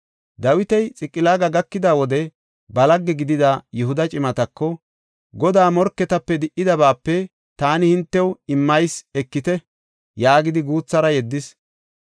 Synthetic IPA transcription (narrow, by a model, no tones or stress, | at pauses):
d̪ɐwɪt̪ɛjt͡sʼɪkʼːɪlaːɡɐɡɐkːɪd̪awɔd̪ɛ | bɐlɐɡːɛɡɪd̪ɪd̪ɐjɛhʊd̪ɐt͡ʃʼɪmɐt̪ɐkːɔ | ɡɔd̪aːmɔɾkːɛt̪ɐpːɛd̪ɪʔɪd̪ɐbaːpːɛ | t̪aːnɪhɪnt̪ːɛwɪmːɐjsɛkːɪt̪ɛ | jaːɡɪd̪ɪɡuːt͡sːɐɾɐjɛd̪ːɪs